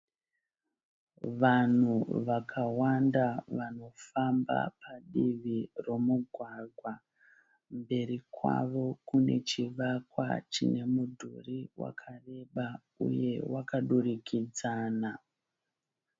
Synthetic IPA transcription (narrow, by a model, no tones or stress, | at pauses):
ʋan̤uʋakʰawandaʋano̞famba̰paɗiʋiro̞muɡʱwaɡʱwa | mbe̞ɾikwa̰ʋo̞kune̞̰t͡ʃiʋakwa̰t͡ʃine̞mudʱṵriwa̰kʰare̞ɓa | ṵje̞wakaɗurikʰid͡zaːna